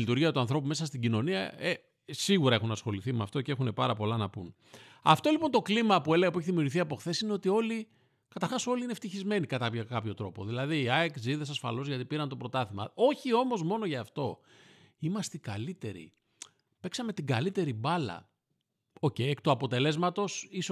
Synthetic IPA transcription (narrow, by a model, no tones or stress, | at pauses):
lit̪uɾʝiɐt̪uɐnθɾo̞pume̞sɐst̪iɟino̞niɐe | siɣuɾɐe̞xunɐsxo̞liθimeɐft̪o̞cee̞xune̞pɐɾɐpo̞lɐnɐpun | ɐ̰ft̪o̞lipo̞nt̪o̞klimɐpue̞leɣɐpueç̬iðimiuɾʝiθiɐpo̞xθe̞sineo̞t̪io̞li | kɐt̪ɐɾxɐso̞liineft̪içizme̞nikɐt̪ɐpʝɐkɐpço̞t̪ɾo̞poðilɐðiːɐekziðesɐsfɐ̰lo̞zʝɐt̪ipiɾɐnt̪o̞pɾo̞t̪ɐθimɐ̰o̞çio̞mo̞zmo̞noʝɐːft̪o̞ | imɐst̪ikɐlit̪e̞ɾḭ | pe̞ksɐme̞t̪iɡɐlit̪e̞ɾibɐlɐ̰ | o̞cejkt̪uɐpo̞t̪e̞le̞zmɐt̪o̞sis